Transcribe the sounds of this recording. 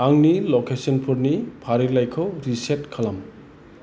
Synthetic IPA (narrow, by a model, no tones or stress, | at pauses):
aŋnilɔkesɔnpʰuɾnipʰaɾilajkʰɯwɾisetkʰalam